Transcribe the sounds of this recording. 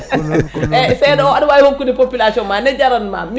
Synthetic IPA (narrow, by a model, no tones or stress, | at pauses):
ɛsɛjnɔanwajhokːudipopilasiɔnmanɛd͡ʒaɾanma̰m